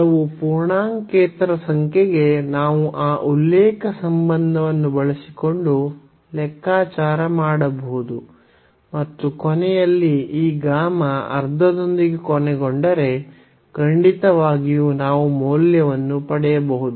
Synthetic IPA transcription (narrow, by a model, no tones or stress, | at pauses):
ɐʋupuɾɳaːŋkeːt̪ɾɐsɐŋkʰeɡe̞naːʋuʔaːʔulːɛːkɐsɐmbɐnd̪ʱɐʋɐnːubɐɭisi̥ko̞ɳɖu | lɛkːaːt͡ʃaːɾɐmaːɽɐbɐɦud̪u | mɐt̪ːukɔnɛjɐlːiiːɡaːmɐɐ̰ɾd̪ʱɐd̪o̞nd̪iɡe̞kɔnɛɡoɳɖɐɾe̞ | kɐɳɖit̪ɐʋaːɡijunaːʋumoːljɐʋɐnːupɐɽɛjɐbɐɦud̪u